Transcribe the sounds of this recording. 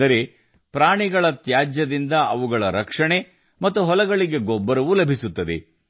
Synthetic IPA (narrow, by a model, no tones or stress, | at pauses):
ɐɾe̞ | pɾaːɳiɡɐɭɐt̪jaːd͡ʒjɐd̪ind̪ɐɐʋuɡɐɭɐɾɐkʂɐɳe̞ | mɐt̪ːuɦɔlɐɡɐɭiɡe̞ɡɔbːɐɾɐʋulɐbʱisut̪ːɐd̪e̞̰